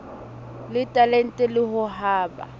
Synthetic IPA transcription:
lɪtʼalɛn̩tʼɛlɪhʊɦaːba̰

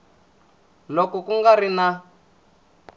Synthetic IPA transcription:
lɔkɔkuŋɡaɾina

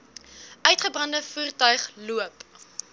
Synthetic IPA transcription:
œɥtχəbrɐndəfuːrtœɥχluəp

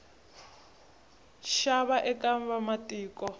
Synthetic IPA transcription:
ʃaβaʔɛkʼambamatʼiːkʼɔ

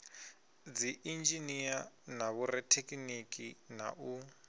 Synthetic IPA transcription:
d͡ziʔind͡ʒinijanaβurɛtʰekʼinikʼina̰ʔu

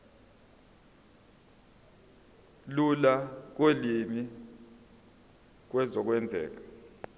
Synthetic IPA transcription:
lulak̬elimi | k̬wɛzɔk̬wɛnd͡zʱɛ̰ːk̬ḁ

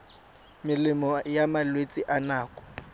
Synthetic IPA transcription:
mɪlɪmɔjamalwet͡sʼiʔanaːkʼɔ̥

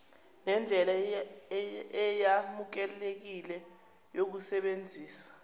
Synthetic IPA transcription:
nɛnd͡ɮʱɛla | ɛjamuk̬ɛlek̬ilɛ | jok̬usɛɓend͡zʱiːsḁ

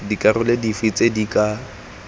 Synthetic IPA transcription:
dikʼarʊledifit͡sedikʼa

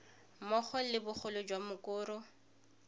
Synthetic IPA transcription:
mɔχʰɔlɪbʊχʰʊlʊd͡ʒwamʊkʊːɾʊ

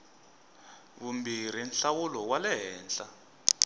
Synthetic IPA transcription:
βumbiɾ̤inɬawulɔwalɛɦɛːnt͡ɬa

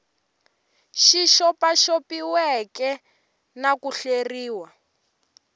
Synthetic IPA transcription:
ʃiʃɔpaʃopiwɛkɛ | nakuɬeriːwa

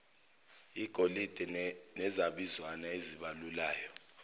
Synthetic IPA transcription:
iɡ̥ʱolid̥ʱɛnɛzaɓizwanaeziɓalulaːjɔ

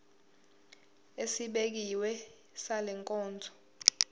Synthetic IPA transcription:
esiɓek̬iwɛ | salɛŋkʼɔːnd͡zʱɔ̥

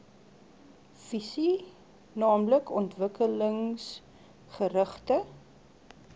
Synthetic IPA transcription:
v̥isi | nɑːmləkɔntvəkələŋs | χəɾəχtə

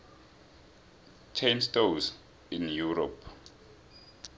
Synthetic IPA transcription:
t͡ʃʰenstos | injuɹɔpʰ

